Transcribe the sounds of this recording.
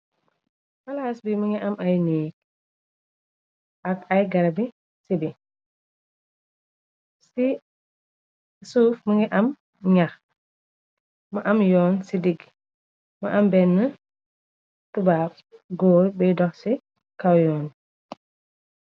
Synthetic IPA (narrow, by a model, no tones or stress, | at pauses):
hɐlaːsbimɐŋɡiʔɐmʔajniːk̚ | ʔɐkɐjɡɐɾbi | sibi | si | suːfmɐŋɡiʔɐm | ɲax | mɐʔɐmjɔːnsidiɡ | mɐʔɐmbɛnːə | tubaːb̚ | ɡoːjbɛjdɔxsi | kawjɔːn